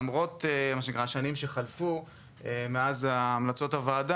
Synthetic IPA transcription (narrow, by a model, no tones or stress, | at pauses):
mʁo̞temaʃenikʁaʃanimʃeχalfu | emeazaːmlat͡so̞thavaːda